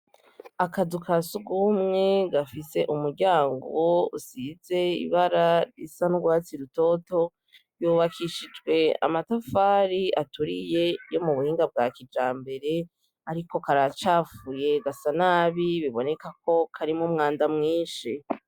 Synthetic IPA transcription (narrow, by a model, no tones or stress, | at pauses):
akadukʰasuɡumŋe̞ɡafise̞ʔumuɾɟaːŋɡoṵsize̞ḭβaɾaɾḭsanuɡwaːt͡siɾuto̞to | juβakʰiʃid͡ʒɡwe̞a̰matafaːɾiatuɾije̞jo̞muβuhiːŋɡab̚ɡakid͡ʒaːmbe̞ɾe̞ | aɾiko̞kaɾat͡ʃaːfuje̞ɡasanaβiβiβo̞ne̞kako̞kʰaɾimumŋaːndamŋiːnʃi